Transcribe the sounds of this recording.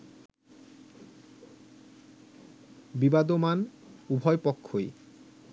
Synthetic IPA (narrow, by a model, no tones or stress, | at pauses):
bibad̪oman | ubʱɔepɔkʰːoj